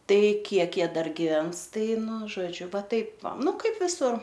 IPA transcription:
ˈtɐɪ ˈkʲiɛk ˈjiɛ ˈdɐr ɡʲɪˈʋʲɛns ˈtɐɪ ˈnʊ ʒoːˈd͡ʒʲʊ ˈʋɐ ˈtɐɪp ˈʋɐ ˈnʊ ˈkɐɪp ʋʲɪˈsʊr

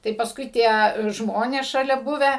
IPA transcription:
tɐɪ pɐˈskʊɪ ˈtʲiɛ ˈʒmoːnʲeːs ʃɐˈlʲɛ ˈbʊʋʲæː

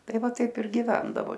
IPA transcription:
ˈtɐɪ ˈʋɐ ˈtɐɪp ɪr ɡʲɪˈʋʲɛndɐʋoː

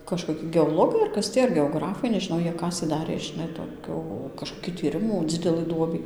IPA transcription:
kɐʃkoːˈkʲɪ ɡʲɛoːˈlˠoːɡɐɪ ɐr ˈkɐs tʲiː ɐr ɡʲɛoːˈɡrɑːfɐɪ nʲɛʒʲɪˈnɐʊ ˈjiɛ ˈkɑːsʲeː ˈdɑːrʲeː ʒʲɪˈnɐɪ toːˈkʲʊ kɐʃkoːˈkʲɪ tʲiːˈrʲɪmuː ˈd͡zʲɪdʲɛlˠɨ ˈduɔbʲiː

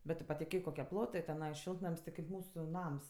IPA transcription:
bʲɛt ˈtʊ pɐtʲɪˈkʲeːk koːˈkʲiɛ ˈplˠoːtɜ tʲɛˈnɐɪ ˈʃʲɪlˠtnɐmʲsʲ tʲɪ kɐɪp ˈmuːsʊ ˈnɐms

